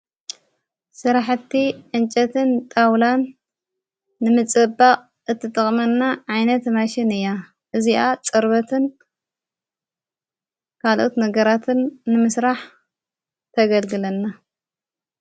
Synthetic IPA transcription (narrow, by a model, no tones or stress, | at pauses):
sɨɾaħt̪ːiʕɨnt͡ʃʼɐt̪ʰɨnt̪ʼawlan | ɨmɨt͡sʼɨbːaχʼ | ʔɨt̪ʰːɨt̪ʼɨχʼmɐnːaʕajnɐt̪maʃinɨjːa | ʔɨziʔat͡sʼɨɾbɐt̪ʰɨn | kʰalʔo̞t̪nɐɡɐɾat̪ʰɨnːɨmɨsɾaħ | t̪ʰɐɡɐlɡɨlɐnːa